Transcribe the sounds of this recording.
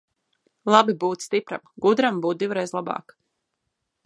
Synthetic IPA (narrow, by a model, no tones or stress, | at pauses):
lˠabibuːt̪st̪ipɾa̰mɡud̪ɾambuːt̪̚d̪ivuɾɛjzlˠabɑ̰ːk